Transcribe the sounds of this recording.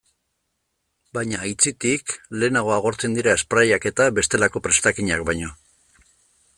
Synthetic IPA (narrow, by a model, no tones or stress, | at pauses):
bajɲaːjt͡sit̪ikle̞ːnaɣ̞o̞aɣ̞o̞ɾt͡se̞nd̪iɾae̞spɾajake̞t̪aβe̞st̪e̞lako̞pɾe̞st̪akiɲakbajɲo̞